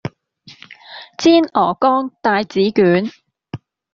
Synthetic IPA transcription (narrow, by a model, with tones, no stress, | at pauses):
t͡siː˥nʔɔː˨˩kɔː˥ŋt̪aː˨jt͡siː˨˥kyː˨˥n